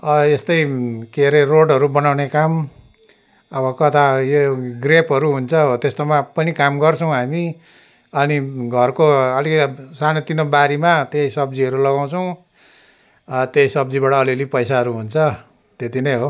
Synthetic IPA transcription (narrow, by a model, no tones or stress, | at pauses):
ʌest̪ʌjkeɾeroɖʌɾubʌnawnekam | ʌbʌkʌt̪ajoɡrepɦʌɾuɦunt͡sʰʌot̪est̪omapʌnikamɡʌrt͡sʰʌw̃ɦami | ʌniɡʱʌrkoʌlikʌsanot̪inobaɾimat̪eisʌbd͡ziʌɾulʌɡaw̃t͡sʰʌw̃ | t̪eisʌb̚d͡zibaʈʌːliʌlipʌjsaɦʌɾuɦunt͡sʰʌ | t̪et̪inʌjɦo